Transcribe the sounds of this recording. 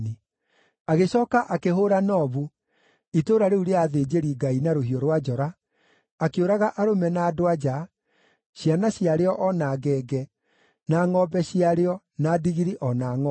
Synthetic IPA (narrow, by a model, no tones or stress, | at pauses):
ni | aɣeɕɔːkaʔakeɦoɾanɔβu | itoːɾaɾeuɾeaðeːd͡ʑeɾiɡainaɾohiɔɾwad͡ʒɔɾaː | keoɾaɣaʔaɾomɛnaːdoad͡ʒa | ɕjanaɕiaɾeɔʔɔnaːɣɛːɡɛ | naːŋɔbɛɕiaɾeɔ | nadiɣiɾiʔɔnaːŋɔ